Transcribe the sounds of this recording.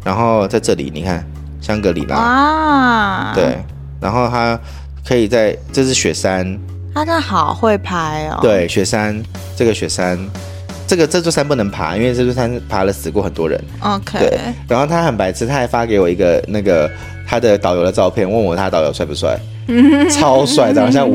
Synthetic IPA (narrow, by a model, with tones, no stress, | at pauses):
ɻa˧˥nxo˥˧ʊt͡sa˥˧ɪʈ͡ʂɤ˥˩lḭ˨˩nḭ˨˩kʰa˥˩n | ɕjɑ˥ŋkɤ˧˥lḭ˨˩ma̰˨˦ | we˥˩ɪ | ɻa˧˥nxo˥˩ʊt̪ʰa˥ | kʰɤ˧˥i˨˩t͡sa˥˩ɪʈ͡ʂɤ˥˧ʂɻ̩˥˩ɕɥɛ˨˩sa˥n | t̪a˥t̪a˥˩xɑ˨˩ʊxwe˥˩ɪpʰa˥ɪə̰˧t̪we˥˩ɪɕɥɛ˨˩sa˥n | ʈ͡ʂɤ˥˩ɡə˩ɕɥɛ˨˩sa˥n | ʈ͡ʂɤ˥˩ɡə˩ʈ͡ʂɤ˥˧t͡s̪wsa˥np̬u˥˩nə˧˥ŋpʰa̰˧˥i˥nwe˥˧ʈ͡ʂɤ˥˧˩t͡swɔ˥sa˥npʰa˧˥lə˨sɹ̩˧˥kwɔ˥˩xə˨˩nt̪wɔ˥ɻə̰˧˦no˧tʰewe˥˩ɪɻa˧˥nxo˥˩t̪ʰa˥xə˨˩npa˧˥ɪt͡sʰɹ̩˥t̪ʰa˥˩ɪfa˦˥ke˧˥ɪwɔ˨˩i˧˥ɡə˧na˥˩ɡə˩ | t̪ʰa˥d̪ə˨t̪ɑ˨˩ʊjo˧˥d̪ə˧ʈ͡ʂɑ˥˧ʊpʰjɛ˥˩nwə˥˩nwɔ˨˩t̪ʰa˥˩t̪ɑ˨˩ʊjo˨˥ʊswa˥˩ɪpu˧˥swa̰˥˩ɪ | t͡sʰɑ˥ʊswa˥˧ɪt͡sa˥˩˧ɕjɑ˥˧